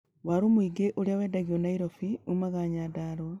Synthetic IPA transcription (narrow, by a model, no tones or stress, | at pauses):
waɾomuiɡeʔoɾjaweːdaɣionaiɾofiumaɣaɲadaɾo